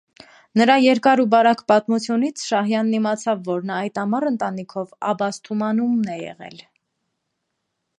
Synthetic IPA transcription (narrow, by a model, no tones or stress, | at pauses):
nəɾɑjɛɾkɑɾubɑɾɑkpɑt̪mut͡sʰjunit͡sʰʃɑhjɑnːimɑt͡sʰɑvːɔɾnɑɑjt̪ɑmɑrənt̪ɑnikʰɔvɑ̰bɑst̪ʰumɑnumnɛjɛ̰ʁɛ̰l